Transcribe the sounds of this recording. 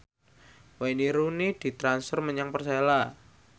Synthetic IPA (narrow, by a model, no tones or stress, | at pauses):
wainiɾunid̥i̤t̪ɾansfərməɲaŋpərsela